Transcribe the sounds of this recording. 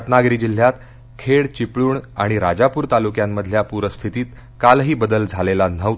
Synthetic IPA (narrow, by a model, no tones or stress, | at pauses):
t̪naɡɾiːd͡ʑil̤ːjat̪ | kʰeɭt͡ɕipɭuːɳaɽ̃iɾad͡ʑapuːɾt̪alukjamːəd̪ʱljapuɾəst̪ʰit̪iːt̪ | kalɦiːbəd̪əld͡zʱalelan̤ə